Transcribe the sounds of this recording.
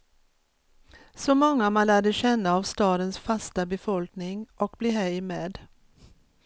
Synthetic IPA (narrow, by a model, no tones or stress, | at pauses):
sɔmɔŋːamanlæːɖəɕɛnːaːvst̪ɑːd̪ənsfast̪abɛfɔlknɪŋʔɔk̚bliːɦɛmeːd̪